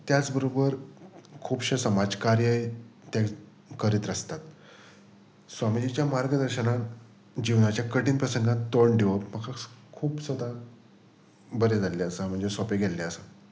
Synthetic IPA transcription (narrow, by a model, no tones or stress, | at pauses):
t̪jat͡sbəɾobəɾkʰuːbɕesəmad͡zkaɾjəjt̪ja | kəɾiːt̪ɾəst̪at̪ | sʋamid͡ʑit͡ɕjamaɾɡəd̪əɾɕənat̪ | d͡ʑiʋnat͡ɕjakəʈiːnpɾəsəŋɡãnt̪ːoɳɖiʋəpm̤akakʰuːbsəd̪a | bəɾed͡zalːeəsam̤əɳd͡zesɔpeɡʱɛlːeəsa